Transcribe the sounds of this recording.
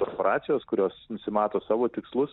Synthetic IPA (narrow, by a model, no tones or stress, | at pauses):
ɔɾpoːɾʔɑːt̪sʲɪjoːskʊɾʲoːsnʊsʲɪmɑːt̪oːsɑːʋoːt̪ʲɪkslˠʊs